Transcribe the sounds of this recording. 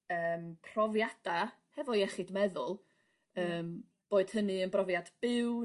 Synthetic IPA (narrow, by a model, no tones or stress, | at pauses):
əːmpʰrɔvjad̥a | hɛvɔjɛχɨdmɛðʊlˠ | əːm | b̥oːɨd̥hənɨənbrɔvjadb̥ɪw